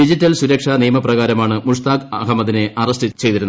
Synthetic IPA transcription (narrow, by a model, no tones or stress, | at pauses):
id͡ʑitːɐlsuɾɐkʂɐnijɐmɐprɐɣaːɾɐmaːɳɨmuʂt̪aːkɐɦɐmːɐðineʔɐrɐstɨt͡ɕe̞jt̪iɾunː